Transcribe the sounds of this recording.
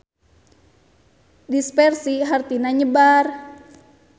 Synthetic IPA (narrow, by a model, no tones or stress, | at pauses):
dispɛrsiɦart̪inaɲəbar